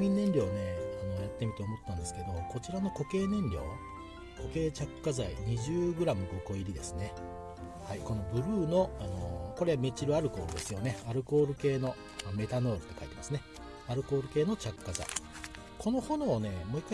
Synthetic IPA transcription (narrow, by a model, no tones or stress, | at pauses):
mʲĩnːẽ̞nɾʲo̞ːne̞ano̞jat̪ːe̞mʲit̪eomo̞t̪eːãnd̪e̞sɨ̥ke̞d̪o̞ko̞t͡ɕiɾano̞ko̞ke̞ːnẽ̞ɲɾʲo̞̰ː | ko̞ke̞ːt͡ɕakɯ̥kːazaḭɲ̟iʑɨːɡɯ̟ɾamɯ̟ɡoko̞iɾʲid̪e̞sɨne̞ | haiko̞no̞bɯ̟ɾɯ̟ːno̞ano̞̰ko̞ɾe̞ame̞t͡ɕiɾɯ̟aɾɯ̟ko̞ːɾɯ̟d̪e̞sɨjo̞ne̞aɾɯ̟ko̞ːɾɯ̟ke̞ːno̞ | me̞t̪ano̞ːɾɯ̟t̪ːe̞kait̪emasɨne | aɾɯ̟ko̞ːɾɯ̟ke̞ːno̞t͡ɕakɯ̥kːaza̰i | kʰo̞no̞ho̞noːne̞mo̞ːikːa